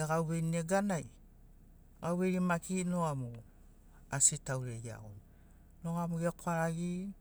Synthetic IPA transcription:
aɡawβe̞jneɡanaj | ɡawβeɾimakinoamu | asitawɾeia̰ɡo̰n | noamuɡekoaaɡi

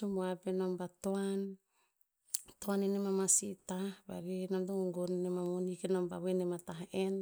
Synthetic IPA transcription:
sumoapenombatoan | toanenemamasitahba̰ɾinamtoŋɡoŋɡonnemamonikenomba̰βenemataɦen

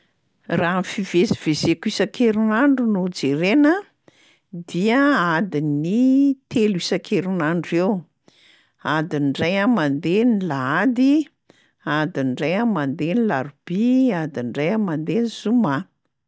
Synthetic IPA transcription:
raːnfiveziv̥ezekuisakʰeɾunaɳɖ͡ʐunud͡zeɾenə | d̪iəad̪init̪elisakʰeɾunaɳɖ͡ʐew | ad̪inɖ͡ʐajamand̪enilaad̪i | ad̪inɖ͡ʐajamand̪enilaɾub̥iad̪iɳɖ͡ʐajamand̪enizuma

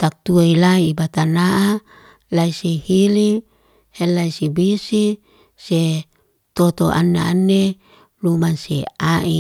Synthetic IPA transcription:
t̪ak̚t̪uailaibat̪anaʔa | laisihili | helːaisibisi | se | t̪ot̪oʔa̰nːaanːe | lumansḛaʔi

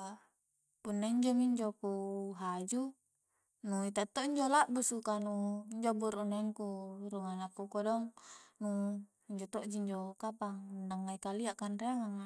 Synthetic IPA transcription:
punːaiɲd͡ʒɔmiɲd͡ʒopuɦad͡ʒu | nuit̪at̪ːɔʔiɲd͡ʒɔlaʔbusukanuiɲd͡ʒɔbuɾunaŋkuɾuŋanapːukɔdɔŋnu | iɲd͡ʒɔt̪ɔʔd͡ʒiɲd͡ʒɔkapaŋdaŋːaikaliaʔkanreŋaŋ

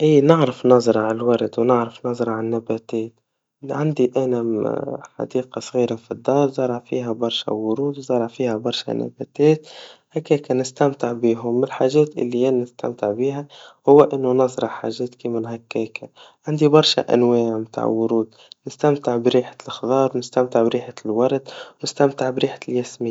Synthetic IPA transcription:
ʔiːnɪʕɾəfnɑzˤɾˤɑʕalwɑɾˤd̪wnɪʕɾɑfnɑzˤɾˤɑʕanːæbæt̪ɛːt̪ | ʕand̪iʔænæħɑ̰d̪iːqɑsˤɣiːɾafid̪ːɑːɾˤzˤɑɾˤɑʕfḭːɦæbɑɾˤʃæ̰wʊɾuːd̪wzˤɑɾˤɑʕfiːhæbɑɾˤʃæ̰næ̰bæ̰ːt̪ɛːt̪hækːæːkænɪst̪amt̪ɪʕbiːɦʊmːɪlħaːʒɛːt̪ʔɪ̰lːijænnɪst̪a̰mt̪ɪʕbiːɦæhʊwːæʔɪnːunɑzˤɾˤɑħħa̰ːʒɛːt̪kimɪnɦækːæːkʰaʕand̪ibɑɾˤʃa̰ʔæ̰nwɛːʕmt̪a̰ːʕwʊɾuːd̪ | nɪst̪amt̪ɪʕbɾiːħḁlxðˤɑːɾˤwnɪst̪amt̪ɪʕbɾiːħalwɑɾˤd̪nɪst̪amt̪ɪʕbɾiːħḁljæsmɪ

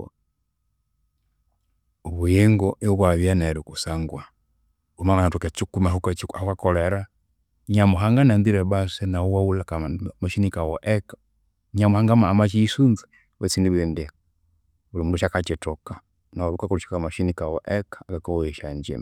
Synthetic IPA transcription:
uβujɛŋɡɔɛukwaβjanaɛɾukusaŋɡwa | umaŋanatɔkat͡ʃukumahukat͡ʃaukakɔlɛɾa | ɲamuɦaŋɡanandiɾɛbasɛnauwaulakamaʃinikawɔʔɛkḁ | ɲamuhaŋɡamaːmat͡ʃiːsunza | wɛsindibiɾɛm̩dɛ | ulimuduʃakat͡ʃɛtɔka | nauɾukakuluʃikamaʃinikawɔʔɛkḁkakɔwɔɛʃaɲd͡ʒɛ̰ma

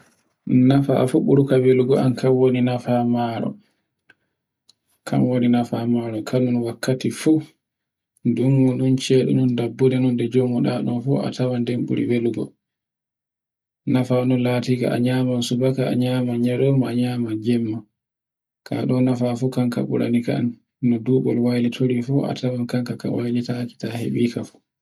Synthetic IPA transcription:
nafa̰fuɓuɾukaweluɡɔʔa̰nkʰanwoninafamaːɾɔ̰ | kʰa̰mwoninafamaːɾɔkʰanunwakːatifu | dumːuɗunt͡ʃɛɗṵnundabːudɛnundɛd͡ʒomuɗaɗɔnfṵʔa̰tʰawandɛmɓṵɾḭweluɡɔ̰ | nafanɔnlaːtika̰ʔa̰ɲaːmansubaka̰ːɲaːmaɲaɾɔmaɲaːmad͡ʒɛmːa | kʰa̰ɗɔnafafukaŋka̰ɓṵɾa̰nika̰n | nɔduːɓɔ̰lwajlitʰoɾifɔa̰tawankaŋkaka̰wajlitaki̥tahḛɓiːkafu̥

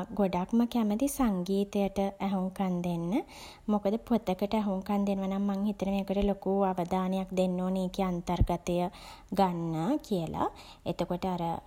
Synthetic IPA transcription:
ɡoɖakməkæməd̪isaŋɡiːt̪əjəʈəʔæɦuŋkand̪enːə | mokəd̪əpot̪əkəʈəæɦuŋkand̪enəʋanaŋmaŋhit̪ənəmeːkəʈəlokuaʋəd̪aːnejak̚d̪enːoːneːkiant̪ərɡat̪əjə | ɡanːakʰiəlʔa̰ | et̪əkoʈəaɾə

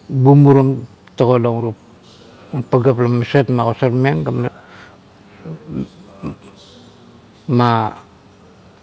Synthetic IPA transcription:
bumuɾom | taɣoloŋɾup | paɡaplamisetmakosaɾmeŋɡam | ma

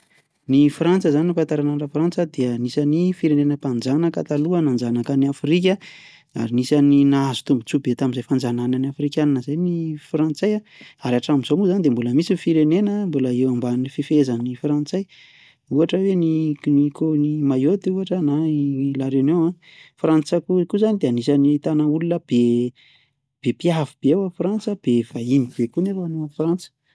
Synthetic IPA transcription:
nifrant͡səzaninipant̪aɾanaɳɖ͡ʐafrant͡səd̪iənisanifiɾenenəpand͡zanəka̰t̪aluənand͡zanakaniafrik̬ʲə | a̰ɾinisaninaazu̥t̪umbut͡subet̪aminzajfand͡zanananiafrikʲananəzajnifrant͡saja | aɾiaʈ͡ʂamiz̥omuzanid̪embuləmisifiɾenenəmbuləewambanififezənifrant͡saj | uaʈ͡ʂəweninikʰonimajot̪iuaʈ͡ʂənalaɾenewã | frant͡sakukuzanid̪eanisanit̪anaulunəb̥e | b̥epiavub̥ewafrant͡səb̥ev̥ainib̥ekunefanoafrant͡sə̥

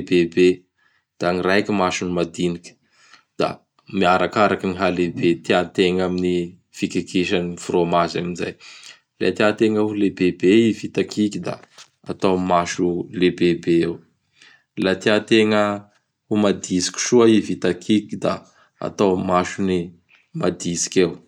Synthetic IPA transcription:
bebe | d̪̥aŋirajkimaʃunimad̪inikʲə̥ | d̪̥a̰ | miaɾakaɾakiniɦalebet̪iat̪eŋamini | fikikiʃanifromazaminza̰j | la̰t̪iat̪eŋəulebebeivit̪akʰikid̪a̰ | a̰t̪awmaʃulebebeew | lat̪iat̪eŋə | umad̪isi̥kʲi̥ʃuaivit̪akʰikid̪a̰ | a̰t̪awmaʃuni | mad̪isi̥kʲew

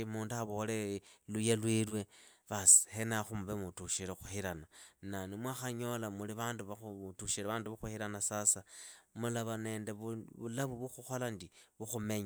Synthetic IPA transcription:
imuːnduaβolelujalwilwe̞ | βasi̥henaxumuβemutuʃiɾexuhiɾanananimwaxaɲo̞lamuliβaːnduβautuʃiɾeβaːnduβaxuhiɾanasasamulaβane̞ːndeβuβulaβuβuxuxolandiβuxume̞ɲa

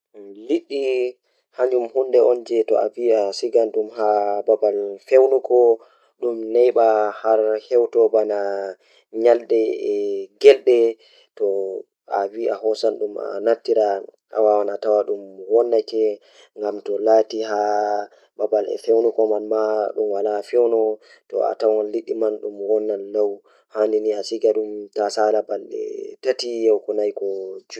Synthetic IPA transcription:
liɗːi | haɲd͡ʒumhundɛʔɔnd͡ʒɛtɔ̰a̰viasiɡanɗumɦababalfewnukɔ | ɗumnɛjɓahaɾhɛwtɔbana | ɲaldɛɛɡɛlɗɛ | tɔ | aviʔahɔsanɗuma̰natːiɾa | a̰wawanatawaɗumwɔnːakɛ | ŋɡamtɔlatiɦa | babalɛ̰fɛwnɔkɔmanmaɗumwalafɛwnɔ | tɔ̰a̰tawŋaliɗːimanɗumwɔnːanːaw | handiniasiɡaɗumtasalabalɗɛ̰tatijɛwkɔnajkɔd͡ʒu

